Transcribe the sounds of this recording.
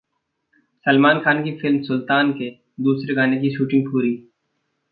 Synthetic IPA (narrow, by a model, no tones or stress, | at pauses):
səlmaːnkʰaːnkifɪlmsʊlt̪aːnke | d̪uːsɾeɡaːnekiʃuːʈɪ̃ŋɡ̚puːɾiː